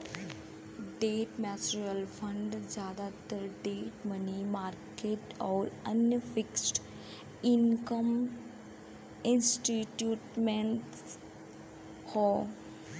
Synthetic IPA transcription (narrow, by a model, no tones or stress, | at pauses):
ɖeːʈmɛt͡ʃɾəlfʰə̃ɳɖd͡ʑaːd̪at̪əɾɖeːʈmənimaːɾkeːʈɔːɾənjəfɪksʈ | inkəm | insʈiʈjuːʈmeɳʈ | hɔ